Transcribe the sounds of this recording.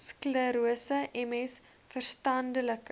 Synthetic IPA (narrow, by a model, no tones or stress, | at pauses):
skləɾuəsəʔɛmɛs | fərstɐndələk